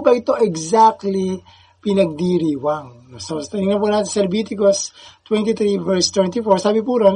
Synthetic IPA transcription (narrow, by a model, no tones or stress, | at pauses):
bɐʔɪt̪o̞ʔɛɡsak̚t̪li | pɪnɐɡ̚d̪iɾiːwaŋ | sost̪ɐnɪŋnɐp̬uːnaːt̪ɪnsɐlɛbiːt̪ɪkost̪wɛnt̪it̪ɾivɛɹst̪wɛnt̪ifoɹsaːbɪp̬uɾon